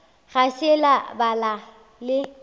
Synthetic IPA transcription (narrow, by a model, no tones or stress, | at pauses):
ɣaʃɪlabala | lɪ